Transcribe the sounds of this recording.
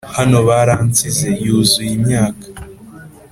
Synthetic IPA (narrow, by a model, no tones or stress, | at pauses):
hano̞βaɾant͡size̞juːzujimɲaːkḁ